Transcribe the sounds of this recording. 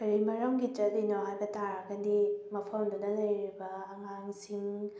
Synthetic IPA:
kɐɾimɐɾɐmɡit͡ʃɐt̚linoɦajbɐtʰaɾɐɡɐdimɐpʰɐmdudɐlɐjɾibɐːŋaŋsiŋ

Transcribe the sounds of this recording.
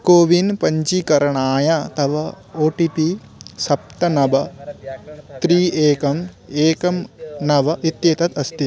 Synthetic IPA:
koːʋinpɐɲt͡ʃikɐɾɐɳaːjat̪ɐʋɐ | oːʈipi | sɐp̚t̪ɐnɐbɐ | t̪ɾiːeːkɐmeːkɐmnɐʋɐʔit̪jeːt̪ɐt̪ɐst̪i

